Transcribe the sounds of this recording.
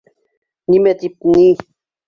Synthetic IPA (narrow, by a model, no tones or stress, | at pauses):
nimet̪ipni